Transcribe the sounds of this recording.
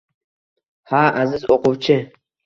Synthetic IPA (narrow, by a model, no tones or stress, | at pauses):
haːʔazɪzoqʊwt͡ʃʰɪ